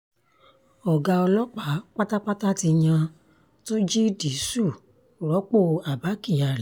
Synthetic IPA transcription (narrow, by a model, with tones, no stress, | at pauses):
ɔ˨ɡa˧ɔ˧lɔ˦k͡pa˨˦k͡pa˦ta˦k͡pa˦ta˦ti˧j̃ã˧ | to˦d͡ʒi˦di˨˦su˦˨ | ɾɔ˨˦k͡po˦˨a˨ba˨˦ki˦˨ja˨˧lɛ˨˦